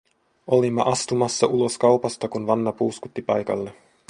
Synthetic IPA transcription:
o̞limːɑ̰ʔɑst̪umɑsːɑʔulo̞skɑwpɑst̪ɑkunʋɑnːɑpuːskut̪ːipɑjkɑ̰lːe

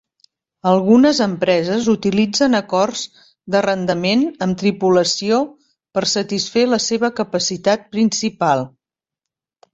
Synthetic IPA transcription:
əlˠɣunəzəmpɾɛzəzut̪ilid͡zənəkɔrz | d̪ərənd̪əmenəmt̪ɾipuləsio | pəɾsət̪isfeləseβəkəpəsit̪at̪̚pɾinsipalˠ

